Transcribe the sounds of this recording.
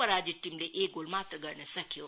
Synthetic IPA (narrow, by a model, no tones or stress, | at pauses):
əɾaːd͡ʒiʈːimleʔekɡolmaːt̪ɾəɡəɾnesəkʰijo